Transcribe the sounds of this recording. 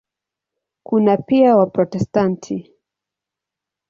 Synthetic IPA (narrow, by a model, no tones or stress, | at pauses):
kunapiawapɾɔtɛstantʰi